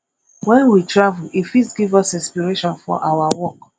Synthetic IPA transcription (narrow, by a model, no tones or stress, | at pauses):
wɛ̃nwitɹavulifisɡivɔsĩnspiɹeʃɔ̃nfɔ̰ʔawawɔk